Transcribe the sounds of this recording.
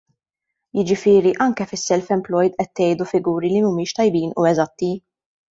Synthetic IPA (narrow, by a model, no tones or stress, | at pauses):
jɪd͡ʒɪfɪːɾiʔɐŋkɛfɪsːɛlfɛmplɔjd̪ʔɛt̪ːɛjd̪ufɪɡuːɾilimumiːʃt̪ɐjbiːnṵɛzɐt̪ːi